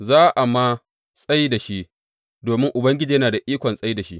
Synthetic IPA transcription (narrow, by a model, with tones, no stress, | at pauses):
zaː˦ʔa˨ma˦ | sʼa˦jda˨ʃi˦ʔ | doː˨mɪ˦ŋʔʊ˨bɐ˦ŋɡʲɪ˦d͡ʒiː˨jɐ˦naː˨da˨ʔiː˦kʷɔ˨nsʼa˦jda˨ʃi˦ʔ